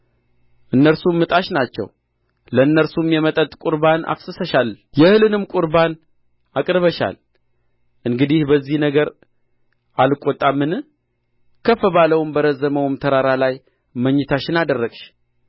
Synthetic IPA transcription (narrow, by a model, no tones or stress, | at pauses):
ʔɨnːəɾsumːɨt̪ʼaʃnat͡ʃːɛ̰w | ləɨnːəɾsumjɛmət̪ʼət̪ʼkʷʼuɾbana̰fsɨsəʃaljɛhɨlɨnɨmkʼuɾban | akʼɾβəʃa̰l | ʔɨŋɡɨd̪ihbəzːihnəɡəɾ | ʔalɨkʷʼːot̪ʼːamːɨnɨ | kʰəfəβaləwmbəɾəzəməwmt̪ʰəɾaɾalaj | məɲːɪt̪ʰat͡ʃːɪnad̪ərːəkʼʃ